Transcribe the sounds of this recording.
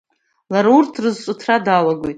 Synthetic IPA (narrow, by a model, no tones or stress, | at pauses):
laɾaurtʰrɨzt͡ʃʷʼʊtʰradalaɡʷo̞jtʼ